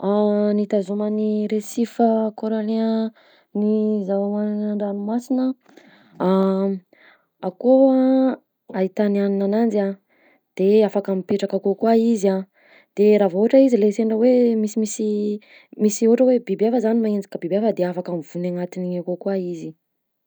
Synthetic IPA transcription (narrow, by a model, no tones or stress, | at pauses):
anit̪azuməniɾesifəkoɾole | nizaamaaɳɖ͡ʐanumasinə | a | akoa | ait̪anianinanand͡ʒia | d̪̥eafakamipeʈ͡ʂakakokwaiza | d̪̥eɾavoɦʈ͡ʂəizileseɳɖ͡ʐəwemisimisi | misioʈ͡ʂəwebibiafəzanimaend͡ʒi̥kəbibiafəd̪eafakamiv̥unaŋat̪iniɲakokwaizi